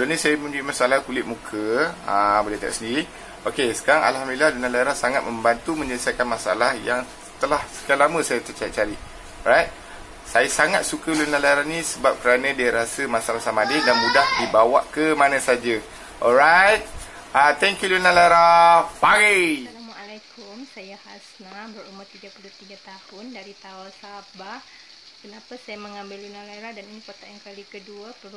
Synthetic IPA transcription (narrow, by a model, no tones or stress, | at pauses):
lonĩsajəmũɲuimasaalahkulɪt̪̚mukʰəabəlat̪a̰ʔsəndiɾi | okesə̥kaɾaŋa̰lhamdililahlunalajɾahsaŋat̪̚mə̃mbant̪umə̃ɲələsakanmasaa̰lahjaŋ | t̪əlahsə̥kalamə̃sajat̪ərt͡ʃajiʔ̚t͡ʃaɾi | ɾajt̪̚ | sajasaŋat̪̚sukəlunalajɾahnĩsəbap̚kəɾanə̃diaɾasəmasaalahsamadɪdanmudahdibawaʔkəmanãsad͡ʒa | ʔɔlɾajt̪̚at̪ɛŋkjulunalaɾapaɡialamwaʔalakʊmsajahasnabərumat̪iɡapuluht̪iɡat̪ahʊndaɾit̪aɔlsabah | kənapasajaməŋambɪlːunalaɾadaninipɔrt̪aankalikəduapəl